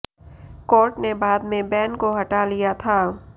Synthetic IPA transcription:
kɔːɾʈnebaːd̪mẽbɛːnkoɦɐʈalijat̪ʰaː

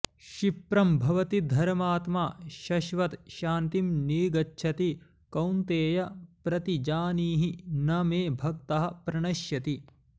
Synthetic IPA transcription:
ʃipɾɐmbʱɐʋɐt̪id̪ʱɐɾmaːt̪maːʃɐʃʋɐt̪ʃaːnt̪imniːɡɐtːʃʰɐt̪i | kɐwnt̪eːjɐpɾɐt̪id͡ʒaːniːɦinɐmeːbʱɐkt̪ɐɦɐ̆pɾɐɳɐʃjɐt̪i

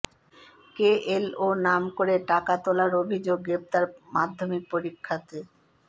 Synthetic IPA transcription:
keʔelonamkoɾeʈakat̪olaɾobʱid͡ʑoɡːɾep̚t̪aɾmad̪ʱːomik̚poɾikʰːat̪e

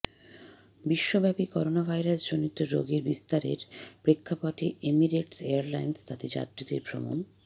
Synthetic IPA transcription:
biʃːobɛpikɔɾonabʱajɾasd͡ʑonit̪ːoɾo̰ɡeɾbist̪aɾḛɾpɾekʰːapaʈʰiʔemiɾeʈseaɾlajnst̪at̪ed͡ʑa̰t̪ːɾid̪eɾpɾo̰mo̰n

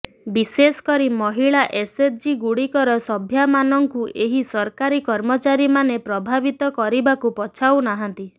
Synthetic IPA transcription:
bisesɔ̥kɔɾimɔɦiɭaʔeset̚ʰd͡ʒiɡuɽikɔɾɔsɔbʱjamanɔŋkuʔeɦisɔɾkaɾikɔɾmɔt͡ʃaɾimanepɾɔbʱabit̪ɔkɔɾibakupɔt͡ʃʰawnaɦɔnt̪i

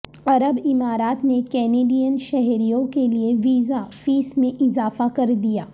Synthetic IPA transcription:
ɐɾəbɪmaːɾaːt̪nekɛːneːɖijənʃɛɦɾijõkelieʋiːzafiːsmẽʔɪzaːfakɐɾd̪ijaː

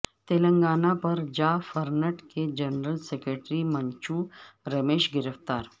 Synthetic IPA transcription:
t̪eːlə̃ŋɡaːnapɐɾd͡ʒaːfɐɾnəʈked͡ʒɐnɾəlsekɾeːʈɾimɐ̃ɲt͡ʃuːɾɐmeːʃɡɪɾəft̪aːɾ

